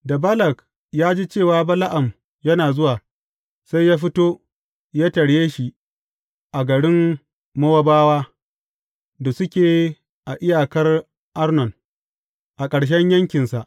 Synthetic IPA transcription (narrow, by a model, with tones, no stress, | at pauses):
da˨bɐ˦lɐ˨k | jaː˦d͡ʒi˦t͡ʃeː˦˨waː˦bɐ˦la˦ʔa˨m | jɐ˦naː˨zʊ˦waː˨ | sa˦jaː˦ɸ̬ɪ˦toː˦ | jaː˦tɐ˨ɽjeː˦ʃi˨ʔ | ʔa˨ɡɐ˨ɽɪ˦m | mɐ˦wa˦baː˦waː˦ | da˨sʊ˦kʲeː˨ | ʔa˨ʔɪ˦jaː˨kɐ˦r | ʔa˦rnɔ˨n | ʔa˨kʼɐ˨ɽʃ̬ɛ˦ɲjɐ˦ŋkʲɪ˨nsa˨ʔ